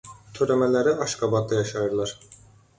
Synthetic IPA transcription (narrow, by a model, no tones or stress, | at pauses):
t̪ʰøɾemelʲeɾiʔaʃkabat̪̚d̪ajaʃajɯɾlˠaɾ̥